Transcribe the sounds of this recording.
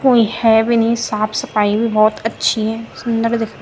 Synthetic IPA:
koːihɛːbɪnĩsaːpʰsɐpaːibʱibɔːt̪ətːʃʰiɦɛːsʊnd̪əɾd̪ekʰna

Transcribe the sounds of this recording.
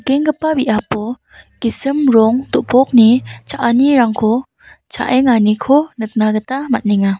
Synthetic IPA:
keŋɡɯpabiʔapɔ | kisɯmɾɔŋdɔʔpɔk̚nit͡ʃʰaʔaniɾaŋkʰɔ | t͡ʃʰa̰ʔeŋanikʰonɯk̚naɡɯtamat̚niŋa

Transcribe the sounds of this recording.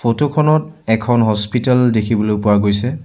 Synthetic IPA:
pʰotokʰɔnɔtɛkʰɔnɦɔspitaldekʰibɔlojpʊwaɡojsɛ

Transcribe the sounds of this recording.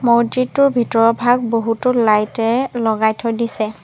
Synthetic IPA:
moɹditːʊɹbʱitɔɹɔbʱaɡ̚boɦutʊlajtɛlɔɡajtʰɔjdisɛ

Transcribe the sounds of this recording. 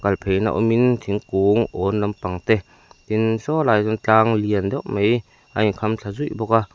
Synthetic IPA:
kalpʰejna̰ʔɔ̰mint̪ʰiŋkuŋʔɔːnlampaŋt̪ɛ | t̪insɔlaːjzɔŋt͡ɬaːŋliənd̪ɔwʔmej | ʔajkʰamt͡ɬʰazujʔbɔka

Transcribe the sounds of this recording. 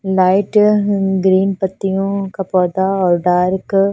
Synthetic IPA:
lɐjʈɡɾiːnpɐt̪ːijũkɐpoːd̪aɔlɖaːɾk

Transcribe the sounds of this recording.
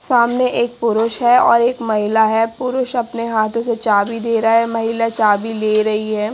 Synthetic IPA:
saːmneʔeːk̚pʊɾʊʃɦɛɔːɾeːkmɐɦɪlaɦɛːpʊɾʊʃɐpneɦaːt̪ʰõset͡ʃaːbid̪eːɾaɦɛmɐɦɪlat͡ʃaːbileːɾɐɦiɦɛː

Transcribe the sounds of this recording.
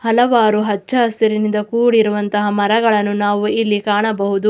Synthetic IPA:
hɐlɐʋaːɾuɦɐt͡ʃːɐɐst̪ɐɾinind̪ɐkuːɽiɾuʋɐnt̪ɐɦɐmɐɾɐɡɐɭɐnːunaːʋuilːikaːɳɐbɐɦud̪u

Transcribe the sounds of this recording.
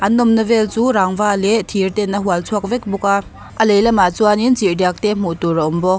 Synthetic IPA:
ʔɐnːɔmnɐvɛlt͡suːɾaŋvaːlɛt̪ʰirt̪ɛnːəɦuəlt͡sʰuək̚vɛk̚buka | ʔəlejlamat͡suaninzirdak̚t̪ɛm̥uʔt̪uraʔɔmbɔk̚

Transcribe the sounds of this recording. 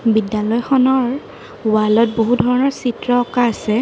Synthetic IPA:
bidjalɔjxɔnɔɹ | walɔt̚boɦudʱɔɹɔnɔɹsitɹɔɔkaːsɛ

